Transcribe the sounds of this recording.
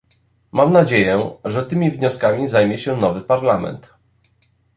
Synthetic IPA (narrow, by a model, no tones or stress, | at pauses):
mamnad͡ʑejɛʐɛt̪ɘmʲivɲɔskamʲizajmʲjɛɕɛnɔvɘpaɾlamɛ̰nt̪